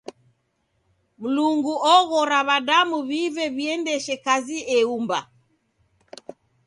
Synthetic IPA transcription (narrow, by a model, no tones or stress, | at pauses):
m̩luŋɡuʔɔɣɔɾaβaɗamuβivɛβiɛndɛʃɛkaziɛumba̰